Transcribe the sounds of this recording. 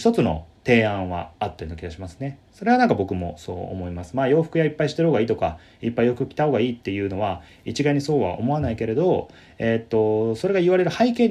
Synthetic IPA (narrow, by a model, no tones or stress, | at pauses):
ç̥t̪o̞t͡sɨno̞̰t̪e̞ːãɰ̃βa̰ːt̪ːeɯnokʲiɡaɕimasɨ̥ne̞so̞ɾeanãŋkabo̞kɯ̟mo̞̰so̞̰ːo̰mo̞imasɨ̥maːjo̞ːɸɯ̟kɯ̟jaipːaiɕi̥t̪eɯ̟hoɡaiːt̪oka | ipːaijo̞kɯ̟kʲi̥t̪aho̞ːɡaiːt̪ːe̞jɯ̟ːno̞βa | it͡ɕiɡaɲ̟iso̞ːβa̰ʔo̞̰mo̞anaike̞ɾe̞d̪o̞ | e̞t̪ːo̞so̞ɾe̞ɡaiβaɾe̞ɾɯ̟haike̞ːɲ